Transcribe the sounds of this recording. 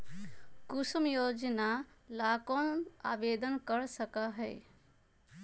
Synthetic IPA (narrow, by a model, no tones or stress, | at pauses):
kusumjod͡ʒnalakona̰ːbed̪ənkəɾsəkəɦɛɪ